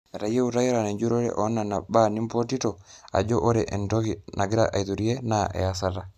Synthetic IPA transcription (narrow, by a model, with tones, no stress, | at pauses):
ɾa˨je˦uta˦je˦ɾa˨ne˨ɲd͡ʒu˦ɾo˦ɾḛʔɔ˦na˨na˨ba˦ni˦mpo˦ti˦tɔa̰˨d͡ʒo˦ʔo˦ɾeʔentɔ˦kinʔa˨ɡɪ˦ɾa̰ʔa˨iðu˨ɾie˦naʔɛ̰˨a˦s̬a˦la